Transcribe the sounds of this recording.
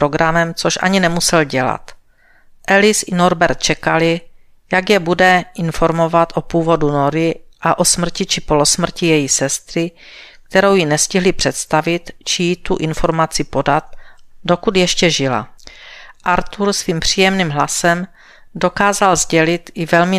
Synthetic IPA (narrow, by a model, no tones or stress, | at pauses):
oɡɾamɛmt͡so̞ʃʔa̰ɲɪnɛmusɛlɟɛla̰t̪ | ʔɛlɪsʔɪno̞ɾbɛɾt̪̚t͡ʃɛkalɪ | jaɡjɛbudɛʔɪnfo̞ɾmo̞vat̪ʔo̞puːvo̞dunoɾɪʔaʔo̞smr̩cɪt͡ʃɪpo̞lo̞sm̩cɪjɛjisɛst̪ɾɪk̚t̪ɛɾo̞wjinɛscɪɦlɪpr̝̥ɛt̪st̪avɪt̪t͡ʃɪjit̪uʔɪnfo̞ɾmat͡sɪpo̞dat̪̚do̞kud̪jɛʃcɛʒɪla̰ | ʔaɾt̪uɾsviːmpr̝̥iːjɛmniːmɦlasɛm | do̞kaːzalzɟɛlɪt̪ɪvɛlmɪ